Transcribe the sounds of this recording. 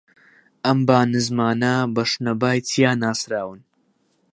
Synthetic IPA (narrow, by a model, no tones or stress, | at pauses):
ʔɐmbaːnɨzmaːnɐbɐʃnɐbaːjt̪ʰijaːnaːsɾaːwɨn